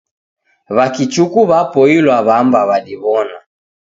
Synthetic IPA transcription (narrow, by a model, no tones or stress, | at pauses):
βakit͡ʃukuβapɔilwaβambaβadiβɔna